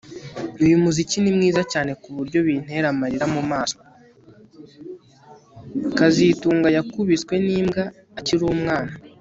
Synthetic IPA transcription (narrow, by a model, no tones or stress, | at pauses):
nujumuzicinimŋiːzacaːne̞kuβuɾɟo̞βin̥e̞ɾamaɾiɾamumaːska | kazituːŋɡajakuβit͡swe̞niːmɡaː | ciɾuːmŋaːna